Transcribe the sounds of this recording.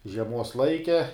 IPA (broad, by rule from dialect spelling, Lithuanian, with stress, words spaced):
ʒʲiɛˈmuɔs ˈlˠɐɪkʲɛ